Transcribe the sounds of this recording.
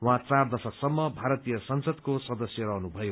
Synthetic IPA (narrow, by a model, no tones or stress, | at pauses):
wãt͡sard̪ʌsʌksʌmːʌbʱaɾʌt̪ijʌsʌnsʌd̪kosʌd̪ʌsjʌɾʌɦnubʱʌjo